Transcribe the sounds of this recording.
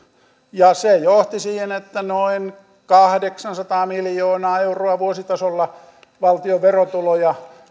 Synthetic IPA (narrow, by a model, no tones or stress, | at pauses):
jɑsejoht̪isiːhenet̪ːænoin | kɑhdeksɑnsɑt̪ɑːmiljoːnɑːeuroɑʋuosit̪ɑsolːɑ | ʋɑlt̪ioʋʋerot̪ulojɑ